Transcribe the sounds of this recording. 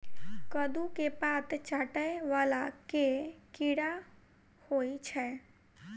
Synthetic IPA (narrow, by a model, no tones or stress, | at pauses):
kəd̪ukepaːt̪t͡ʃaːʈəeʋaːlakekɪɽa | hoːit͡ʃʰɛː